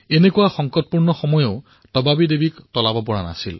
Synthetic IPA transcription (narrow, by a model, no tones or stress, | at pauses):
enekuwaxɔŋkɔt̚puɹnɔxɔmɔjɔʊ | tɔbabidebiktɔlabɔpɔɹana̰sil